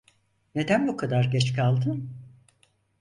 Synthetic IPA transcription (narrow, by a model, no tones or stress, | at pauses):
ne̞d̪ænbukʰad̪aɾɟɛt͡ʃkʰalˠd̪ɯn